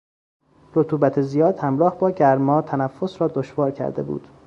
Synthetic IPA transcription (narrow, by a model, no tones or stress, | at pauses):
ɾot̪ʰuːbæt̪ʰezijɒːd̪hæmɾɒːhbɒːɟæɾmɒːt̪ʰænæfːo̞sɾɒːd̪oʃvɒːɾcʰæ̰ɾd̪e̞̰bṵːd̪̥